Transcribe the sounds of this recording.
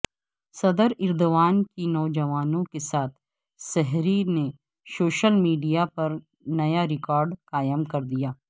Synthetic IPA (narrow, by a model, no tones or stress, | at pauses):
sɐd̪əɾɪɾd̪oʋaːnkinɔːd͡ʒɐʋaːnõkesaːt̪ʰ | sɛɦɾine | soːʃəlmiːɖijapɐɾ | nɐjaɾɪkɔːɾɖkaːjəmkɐɾd̪ijaː